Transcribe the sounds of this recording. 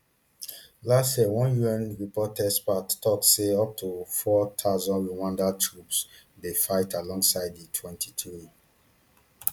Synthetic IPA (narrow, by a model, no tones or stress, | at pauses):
lastjɛwɔ̃njuɛ̃nɹipɔtɛspattɔtseɔp̚tʰufɔt̪ʰaʊzɔ̃nɹuwãndatʰɹupsdefaɪtʰalɔ̃ŋɡsaɪdditʰwɛ̃ntʰitɹi